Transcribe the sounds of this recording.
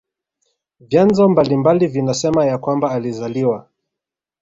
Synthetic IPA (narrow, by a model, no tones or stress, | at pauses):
vjanzɔmbalimbalivinasɛmajakwambaːlizaliwa